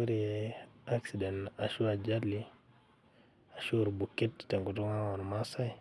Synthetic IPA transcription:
u˦ɾi | a˦ksidɛ˨na˨ʃu˦ad͡ʒadli | a˨ʃu˦ɾbu˨ki˦ttɛ˨ŋɡutu˦ŋa˦wa˨nmasa˦i˦

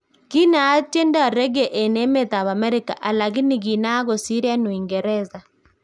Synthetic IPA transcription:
ki˦naː˨˦te˦ndɔ˨ɾɛ˦ɣe˨ʔe˨ne˦mɛ˨t̪a˨βa˨mɛ˦ɾi˦ka̰˨ʔa˨la˨ɣi˦ni˨ɣi˨na˦ɣo˨si˦ɾa˦no˨i˨ŋɡɛ˨ɾɛ˦za˨

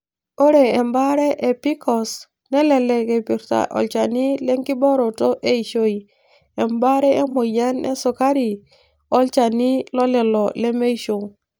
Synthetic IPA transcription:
o˦ɾe˨e˨mba˦ɾe˦ʔe˨pi˦kɔ˨s | nɛ˦lɛ˨le˨ke˨pi˨ɾta̰˨ʔo̰˨lt͡ʃa˨ni˦le˦ŋki˦bɔ˦ɾo˨to˦ʔe˦i˨ʃo˦i˨ | e˨mba˦ɾe˦e˦mo˨ja˦nḛ˦so˨ka˦ɾi˨ | o˦lt͡ʃa˨ni˦lɔ˦lɛ˨lɔ˨le˦me˦i˦ʃo˨ŋ

